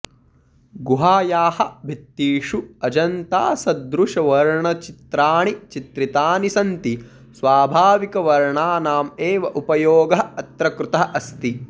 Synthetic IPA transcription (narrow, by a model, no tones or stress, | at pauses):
ɡuɦaːjaːhɐ̆bʱit̪ːiːʂuɐd͡ʒɐnt̪aːsɐd̪ɾuʂɐʋɐɾɳɐt͡ʃit̪ɾaːɳit͡ʃit̪ɾit̪aːnisɐnt̪i | sʋaːbʱaːʋikɐʋɐɾɳaːnaːmeːʋɐʔupɐjoːɡɐɦɐt̪ɾɐkɾut̪ɐɦɐʔɐst̪i